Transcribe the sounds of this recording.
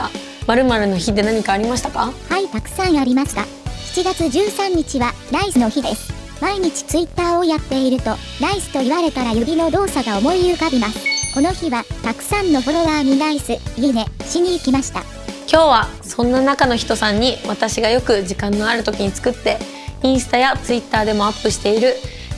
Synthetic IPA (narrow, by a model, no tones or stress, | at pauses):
maɾɯ̟maɾɯ̟no̞çid̪e̞naɲ̟ikaːɾʲimaɕi̥t̪ḁkahait̪akɯ̟̥sãŋ̃aɾʲimaɕi̥t̪a̰ | çi̥t͡ɕiɡat͡sɨd͡ʑɨːsãɲ̟ːit͡ɕiβaɾaisɨno̞çid̪e̞sɨ̥ | maiɲ̟it͡ɕi̥t͡sɨit̪ːaːojat̪ːe̞iɾɯ̟t̪o̞ | ɾaisɨ̥t̪o̞iβaɾe̞t̪aɾajoɡʲino̞d̪o̞ːsaɡao̞mo̞ijɯkabʲimasɨ̥ko̞no̞çiβat̪akɯ̟̥sãnːo̞ɸo̞ɾo̞βaːɲ̟iɾaisɨjʲid̪e̞ɕiɲ̟iːkʲimaɕi̥t̪a̰ | kʲo̞ːβa | sõ̞nːanakano̞çi̥t̪o̞sãɲ̟ːiβat̪aɕiɡajo̞kɯ̟ʑikãnːo̞aɾɯ̟t̪o̞kʲiɲ̟it͡sɨ̥kɯ̟t̪ːe̞ | ĩɰ̃sɨ̥t̪ajat͡sɨit̪ːaːd̪e̞mo̞apːɯ̟ɕi̥t̪e̞iɾɯ̟